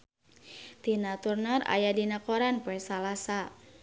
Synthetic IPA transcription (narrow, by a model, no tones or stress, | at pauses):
t̪inat̪urnara̰jadinakoɾanpoɛsalasa